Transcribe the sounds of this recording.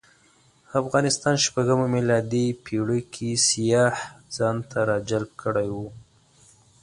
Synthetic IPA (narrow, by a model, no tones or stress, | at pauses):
afɣɑnɪst̪ɑnʃpaɡəmamilɑd̪ipʰiɽəkʰisijɑhz̥ɑnt̪ʰaɾɑd͡ʒalb̚kəɽajwu